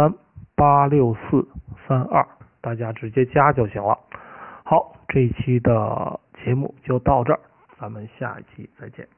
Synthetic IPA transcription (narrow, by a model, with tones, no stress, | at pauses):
a˥n | pa˥ljo˥˧ʊsɹ̩˥˩sa˥nɐ̰˥˩t̪a˥˩t͡ɕja˥ʈ͡ʂɻ̩˧˥t͡ɕjɛ˥t͡ɕja˥t͡ɕjo˥˩ʊɕi˧˥ŋlə̰˧xɑ˧˥ʊ | ʈ͡ʂɤ˥˩i˨˩t͡ɕʰi˥d̪ə̰˧˨t͡ɕjɛ˧˥mṵ˥˧t͡ɕjo˥˧ʊt̪ɑ˥˧ʊʈ͡ʂə˥˩ | t͡sa˧˥mə˨nɕja̰˥˩ḭ˥˩t͡ɕʰi˧˥t͡sa˥˧ɪt͡ɕjɛ̰˥˩n